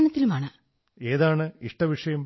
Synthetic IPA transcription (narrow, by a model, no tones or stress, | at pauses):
nɐt̪ːilumaːɳɨ | e̞ːðaːɳɨiʂʈɐʋiʂɐjɐm